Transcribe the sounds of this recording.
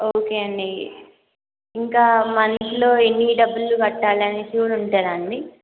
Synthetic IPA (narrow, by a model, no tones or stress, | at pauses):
oːkeːɐɳɖi | iŋkaːmɐnsilo̞ːenːiɖɐbːulːukɐʈːaːlɐneːpjuːluɳʈaːɾaːɳɖi